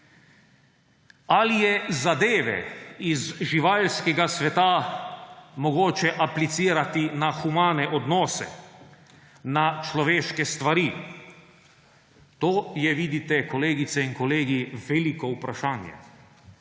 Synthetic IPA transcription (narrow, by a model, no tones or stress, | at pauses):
alijɛzad̪eːʋɛ̰izʒiʋaːlskɛɡasʋɛt̪a | mɔɡoːt͡ʃɛʔaplit̪siːɾat̪inaxumaːnɛʔɔd̪nɔːsɛ̰ | nat͡ʃlɔʋeːʃkɛst̪ʋaɾi | t̪oːjɛʋid̪it̪ɛkɔleːɡit̪sɛiŋkɔleːɡiʋɛlikɔupɾaʃaːnjɛ̰